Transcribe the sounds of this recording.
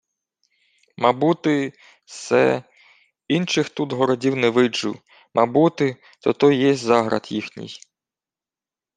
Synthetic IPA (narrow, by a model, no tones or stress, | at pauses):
mɑbut̪ɪ | sɛ̰ | inʃɪxt̪ut̪ɦɔɾɔdʲiwnɛʋɪd͡ʒʊ̰ | mɑbut̪ɪ | t̪ɔt̪ɔjjɛsʲzɑɦɾɐ̰d̪jixnʲḭj